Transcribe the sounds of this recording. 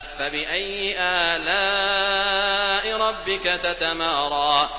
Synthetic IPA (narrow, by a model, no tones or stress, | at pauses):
fabɪʔajːɪʔaːlaː | ʔɪɾˤɑbːɪkat̪at̪amaːɾˤɑː